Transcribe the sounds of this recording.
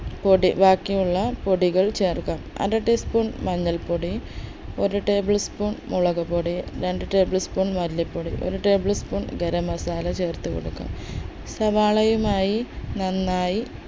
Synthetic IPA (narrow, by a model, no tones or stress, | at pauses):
poɽibaːkːijuɭːɐpo̞ɽiɣɐɭt͡ɕeːrkaːmɐ̰ɾɐʈːispuːɳmɐɲːɐlpoɽi | oɾuʈe̞ːbɨɭspuːɳmuɭɐɣɐpoɽiɾeɳɖɨʈe̞ːbɨɭspuːɳmɐɾlipːoɽiʔo̰ɾuʈe̞ːbɨɭspuːɳɡeɾɐmɐsaːlɐt͡ɕe̞ːrt̪ːɨko̰ɽukːa̰ːm | sɐʋaːɭɐjumaːjinɐnːaːji